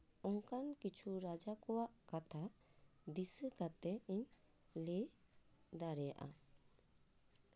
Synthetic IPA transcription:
ɔŋkankit͡ʃʰuɾad͡ʒakɔwaʔkat̪ʰad̪isəkat̪ɛiɲ | le | d̪aɾɛja̰ʔa̰

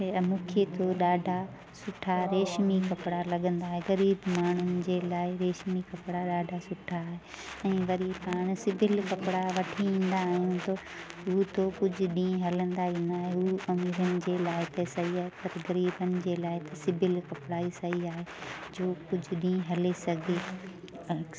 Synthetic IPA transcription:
mũːkʰet̪ʰoɗaːɖʱa | sʊʈʰaɾeːʃmikɐpɽalɐɠə̃nd̪aːɦeɣɐɾiːbmaːɳ̤ʊnɪ̆d͡ʑeːlaːɪɾeːʃmikɐpɽaɗaːɖʱasʊʈʰaːɦe | ɛ̃ːʋɐɾipaːɽ̃sɪbʱɪlkɐpɽaʋɐʈʰiĩːn̆d̪aːɦijũt̪o | ut̪okʊd͡ʑʱʊ̆ɗĩːẽɦɐlə̃nd̪aĩːn̆d̪aːɦeuʔɐmiːɾənɪ̆d͡ʑeːlaːɪt̪ɐsɐɦiaːɦepɐɾɣɐɾiːbənɪ̆d͡ʑeːlaːɪt̪ɐsɪbʱɪlkɐpɽaisɐɦiaːɦed͡ʑoːkʊd͡ʑʱʊɗĩːẽɦɐlesɐɡʱe

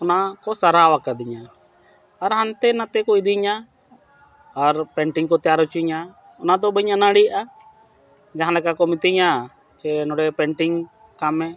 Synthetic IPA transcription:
ɔnakɔsaɾawakad̪iɲa | aɾɦant̪ɛnat̪ɛkɔid̪iɲa | aɾpɛɳʈiŋkɔt̪ɛjaɾut͡ʃiɲa | ɔnad̪ɔbəɲanəɽijʔa | d͡ʒaɦãlɛkakɔmit̪iɲa | t͡ʃɛnɔɽɛpɛɳʈiŋ | kamɛ

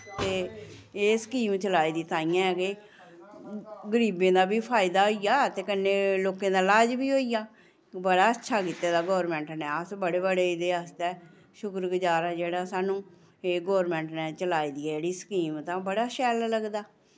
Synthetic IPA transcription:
t̪eːeːsə̥kiːmt͡ʃəlaːiːd̪iːt̪aːijãːɛkeː | ɡəɾiːbẽːd̪aːbiːpʰaːɪd̪aːɦoːijaːt̪eːkənːeːloːkẽːd̪aːlaːd͡ʒbiːɦoːijaː | bəɽaːətːʃʰaːkit̪ːeːd̪aːɡɔːɾmɛ̃ːɳʈnɛːəsbəɽeːbəɽeːɪd̪eːəst̪ɛː | ʃʊkɾɡəd͡ʒaːɾɛːd͡ʒeːɽaːsaːnũː | eːɡɔːɾmɛ̃ːɳʈnɛːt͡ʃəlaːiːd̪iːɛd͡ʒeːɽiːsə̥kiːmt̪ãːbəɽaːʃɛːlləɡd̪aː

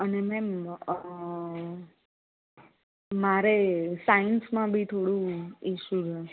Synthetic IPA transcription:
ənemɛ̃ | maɾesainsmãbʱit̪ʰoɽũiʃud͡ʒə

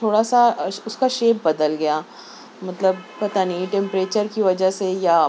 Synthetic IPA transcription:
t̪ʰoːɽasaʊskaʃeːp̚bɐd̪əlɡɐjaː | mɐt̪ləbpɐt̪anĩʈɛ̃mpɾeːt͡ʃəɾkiʋɐd͡ʒəseja

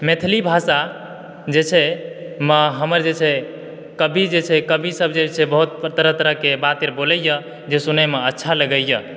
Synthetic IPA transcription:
met̪ʰlibʱasa | d͡ʒet͡ʃʰɛməɦəməɾd͡ʒet͡ʃʰɛ | kəbʱid͡ʒet͡ʃʰɛkəbʱisəbʱd͡ʒet͡ʃʰɛbəɦut̪̚t̪əɾət̪əɾəɦkebat̪eɾboləjə | d͡ʒesunəmeətːʃʰaləɡəjə

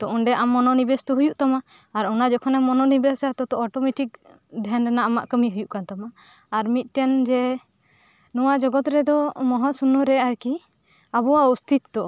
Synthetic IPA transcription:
t̪ɔʔɔɳɖɛʔamːɔnɔnibɛst̪ɔɦujuʔt̪amaːɾɔnad͡ʒɔkʰɔnɛmɔnɔnibɛsat̪ɔt̪ɔʔɔʈɔmɛʈik̚ | d̪ʱɛnɾɛnaʔamaʔkəmiɦujuʔkant̪amaː | ɾmit̪̚ˀʈɛnd͡ʒɛ | nɔwad͡ʒɔɡɔt̪ɾɛd̪ɔmɔɦasunɔɾɛaɾki | abɔwaust̪ʰit̪ːɔ

